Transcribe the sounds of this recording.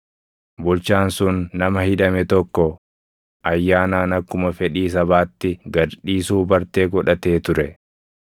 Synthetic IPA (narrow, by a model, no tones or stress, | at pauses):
bʊlt͡ʃaːnsʊnːɐmɐhɪᶑɐmɛt̪ɔkːɔ | ʔɐjːaːnaːnɐkːʊmɐfɛᶑiːs̬ɐβaːt̪ːɪɡɐɾᶑiːsuːbɐɾt̪e̞ːɡɔᶑɐt̪e̞ːt̪ʊɾɛ